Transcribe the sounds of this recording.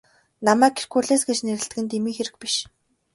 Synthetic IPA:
namæːkʰːe̥rkuːɮeːsɡet͡ɕneɾɘ̆ɬt̪ɘɡɘ̆nt̪emiːxeɾɘ̆k̚piʃ

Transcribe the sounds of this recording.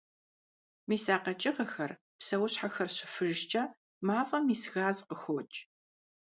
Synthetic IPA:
miːsaːqɐt͡ʃʼɪʁɐxɐr | psɐwʊɕħaxɐrɕɪfɨʒʃt͡ʃʼɐ | maːfʼɐmiːsɣaːzqəxʷoːt͡ʃʼ

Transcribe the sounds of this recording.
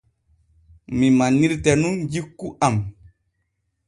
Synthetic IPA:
mimaniɾtɛnunɟikːuʔam

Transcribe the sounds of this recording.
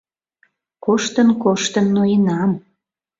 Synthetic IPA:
koʃt̪ənkoʃt̪ə̆nːojənɑm

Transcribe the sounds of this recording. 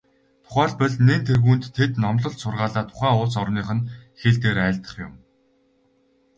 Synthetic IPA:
t̪ʰʊ̥χæːɮpɘ̆ɮnent̪ʰerɣuːnt̪ʰːet̪nɔmɮɞ̆ɮsʊrʁaːɮaːt̪ʰʊ̥χæːʊːsɔrniːχɘ̆nxeːɮt̪eːɾæːɮt̪ə̥̆χjʊ̰m

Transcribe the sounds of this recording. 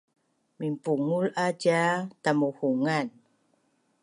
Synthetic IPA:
mimpuŋulad͡ʒatamuhuŋan

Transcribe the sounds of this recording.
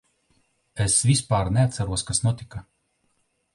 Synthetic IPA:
ɛsvʲispaːɾnʲɛat̪sɛɾuɔskasnɔt̪ʲika

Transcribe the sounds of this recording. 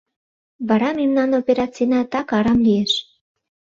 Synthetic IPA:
βɑɾɑmemnɑnopʲeɾɑt͡sinɑt̪ɑkɑɾɑmlieʃ

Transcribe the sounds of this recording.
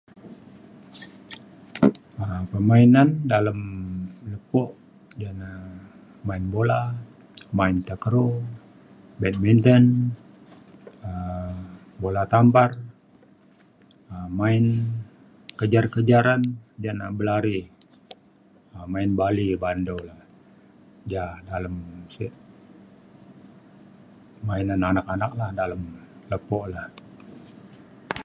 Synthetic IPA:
əpəmainandalamləpɔʔ | d͡ʒana | maɪnbola | maint̪əkəɾo | bɛt̪̚mint̪ən | ə | bolat̪ampar | əmaɪn | kəd͡ʒarkəd͡ʒaɾand͡ʒanabəlaɾi | əmaɪnbalibandolah | d͡ʒadaləmsi | mainananakanak̚lahdaləmləpɔʔlah

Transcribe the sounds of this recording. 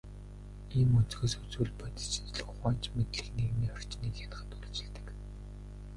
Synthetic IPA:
iːmɵn̥t͡sɡɵːsut͡suːɮʲpɔt̪̆t͡ɕɮʊχʊχaːn̥t͡ɕmet̪ɮɘ̆xneɣniːχɔr̥t͡ɕniːkjan̆χə̆t̪uɮt͡ɕɪ̆ɮt̪ə̥̆k

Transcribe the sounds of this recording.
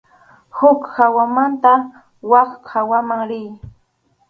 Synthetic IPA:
hʊkhawamant̪a | wɑχhawamaŋɾɪj

